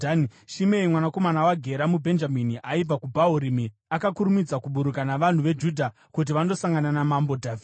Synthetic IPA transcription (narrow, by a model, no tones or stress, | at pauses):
aniʃimeimwanako̞manawaɡʱe̞ɾamubʱe̞nd͡ʒaminiʔaib͡vakubʱauɾimi | akakuɾumid͡zakuɓuɾukanaʋan̤uʋe̞d͡ʒudʱa | kut̬iʋando̞saŋɡananamambo̞dʱaːvi